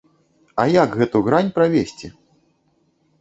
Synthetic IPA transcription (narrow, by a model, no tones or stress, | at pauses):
ɐjaɡɣɛt̪uɣɾanʲpɾavʲesʲt͡sʲi